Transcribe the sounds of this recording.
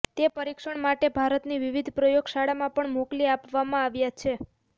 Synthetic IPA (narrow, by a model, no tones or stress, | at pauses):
t̪epəɾikʃəɳmaʈebʱaɾət̪niʋiʋid̪ʱpɾəjoɡʃaɽamãpəɳmokliapʋamãaʋjat͡ʃʰe